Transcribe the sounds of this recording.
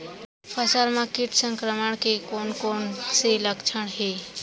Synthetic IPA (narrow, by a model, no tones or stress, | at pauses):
pʰəsəɾmãkiʈʰsə̃ŋkɾəməɳkekonkoːnseləkt͡ʃʰəɽ̃ɦe